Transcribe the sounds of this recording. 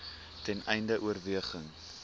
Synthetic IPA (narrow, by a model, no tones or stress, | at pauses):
tɛnɛjndəʔuərviəχəŋ